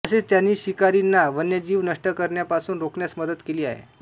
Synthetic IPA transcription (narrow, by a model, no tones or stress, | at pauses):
əset͡st̪janːiːɕikaɾinːaʋənjəd͡ʑiːʋnəʂʈəkəɾɳjapasuːnɾokɳjasməd̪ət̪keliːaɦḛ